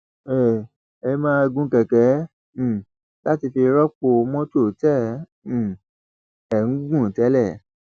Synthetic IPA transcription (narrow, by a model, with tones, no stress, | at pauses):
ɛ˨ | ɛ˧˦mãː˦˧ɡũ˦kɛ˨kɛ̃˨˦˨ | la˦ti˧fi˧ɾɔ˦k͡po˧mɔ̃˦to˦˨tɛ̃˦˨˦ | ɛ˨ñ̩˨˦ɡũ˦˨tɛ˨˦lɛ˦˨